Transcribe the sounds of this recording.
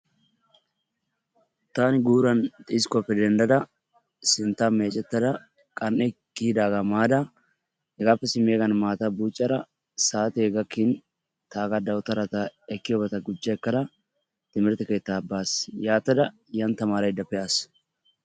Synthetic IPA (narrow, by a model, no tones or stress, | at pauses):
t̪aːnɪɡuːɾɐnt̪ʼɪskɔpːɛd̪ɛnd̪ɐd̪ɐ | sɪnt̪ːame̞ːt͡ʃʼɛt̪ːɐd̪ɐ | kʼɐnʔɛ | kːiːd̪aːɡɐmaːd̪ɐ | hɛɡaːpːɛsɪmeːɡɐnmaːt̪ɐbuːt͡ʃʼːɐɾɐ | saːt̪ɛːɡɐkːɪn | t̪aːɡɐd̪ɐwt̪ɐɾɐt̪ɐɛkːɪjɔbɐt̪ɐɡʊd͡ʒːɐɛkːɐd̪ɐ | t̪ɪmɪɾt̪ɛke̞ːt̪ːabːaːsjaːt̪ːɐd̪ɐ | jɐnt̪ːɐmaːɾɐjd̪ɐpːɛʔaːs